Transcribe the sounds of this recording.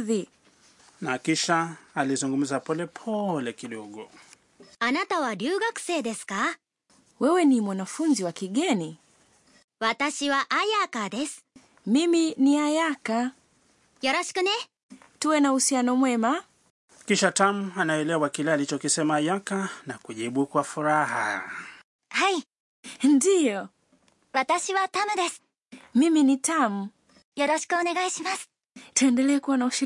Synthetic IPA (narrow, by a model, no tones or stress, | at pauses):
ði | nakiʃaalizuŋɡum̩zapɔlɛpʰɔlɛkiɗɔɠɔ | anat̪aβaɾʲɨːɡakɯ̥se̞ːd̪esɨ̥ka | wɛwɛnimwanafunziwakiɠɛni | βat̪aɕiβaʔajakad̪esɨ̥ | miminiajaka | jaɾaɕi̥kɯ̟ne | tuwɛnahusianɔmwɛma | kiʃatam̩anaɛlɛwakilɛalit͡ʃɔkisɛmaːjakanakuʄiɓukwafuɾaha̰ | hai | ndijɔ | βat̪aɕiβat̪amɯd̪es | miminitam̩ | joɾɔɕi̥kɯoneɡaiɕimasɨ̥ | tuɛndɛlɛːkuwanauʃ